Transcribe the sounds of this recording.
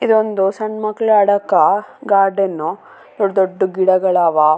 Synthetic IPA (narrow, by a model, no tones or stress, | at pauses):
id̪ond̪usɐɳmɐkːɭuɐɽɐkːɐɡaːɾɖɐnːu | d̪oɖd̪oɖːuɡiɽɐɡɐɭaːʋa